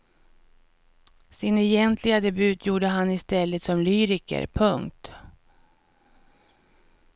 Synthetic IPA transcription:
sɪnɛjɛnt̪ʰlɪɡad̪ɛbʉ̟ːt̪ʰjuːɖəɦanːɪst̪ɛlːət̪sɔmlyːɾɪkə̰ɾpʰɵŋk̚t̪

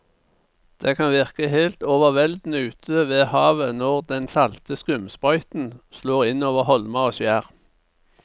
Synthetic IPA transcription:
d̪̥eːkʰɑnʋɪʁkəheːlt̪oːʋəʁʋɛld̪n̩əʉːt̪ʰøʋeːhɑːʋənɔʁd̪ɛnsɑlt̪əskʉmspɔʏt̪n̩sloːʁɪnoːʋəʁhɔlmɑoːsjæːʁ

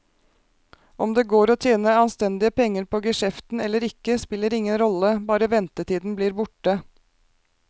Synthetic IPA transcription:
ʔɔmd̪eːɡoːɾoːt̪ʰjeːnəɑnst̪ɛnd̪ɪəpʰɛŋːəɾpʰoːɡəʃɛft̪n̩ɛlːəɾɪkːəspɪlːəɾɪŋːənɾɔləbɑːɾəʋɛnt̪ət̪ʰiːd̪n̩bliːɾbʊʈə

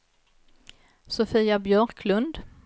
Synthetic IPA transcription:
sʊfiːabjœːɾkʰlɵnd̪

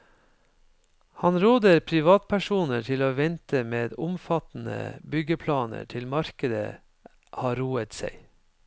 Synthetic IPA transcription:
hɑnɾoːd̪əɾpʰɾɪʋɑːt̪̚pʰæʃuːnəʈʰɪloːʋɛnt̪ʰəmeːd̪ʊmfɑt̪n̩ə̰bʏɡəpʰlɑːnə̰ʈʰɪlmɑɾkəd̪ə̰ | hɑːɾuːət̪sæɪ

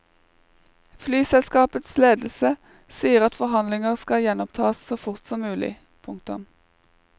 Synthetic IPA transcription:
flyːsɛlskɑːpət̪sleːd̪l̩sə | siːəʁɑt̪fɔʁhɑnlɪŋəʁskɑjɛnɔmt̪ʰɑːssoːfʊʁt̪sɔmːʉːlɪ̰ | pʰʊŋk̚t̪ʊ̰m

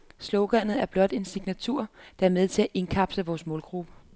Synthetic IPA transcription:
slɔʊɡ̥ænð̩ˠæɐb̥lɒ̽d̥e̝nsiɡ̥næt͡sʰuɐ̰d̥ɑ̈æɐmeð̞ˠt͡sʰe̝læʔe̝nkʰɑ̈b̥səʋɒːsmɔːlɡ̥ʁub̥ə

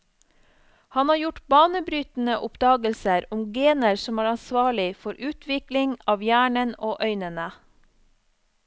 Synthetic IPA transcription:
hɑnhɑːɾjʊʈbɑːnəbɾyːt̪n̩əʔʊpd̪ɑːɡəlsəɾʊmɡeːnəɾsɔmæːɾɑnsʋɑːɭɪfɔɾʔʉːt̪ʰʋɪklɪŋɑːʋjæːɳənoːʔœʏnənə

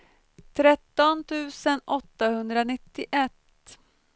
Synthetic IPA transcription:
t̪ʰɾɛt̪ːɔnt̪ʰʉ̟ːsənʔɔt̪ːahɵnd̪ɾanɪt̪ːɪʔɛt̪

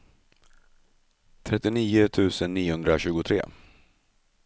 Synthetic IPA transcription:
t̪ʰɾɛt̪ːɪniːʊt̪ʰʉ̟ːsənːiːʊhɵnd̪ɾaɕʉ̟ːɡʊt̪ʰɾḛː

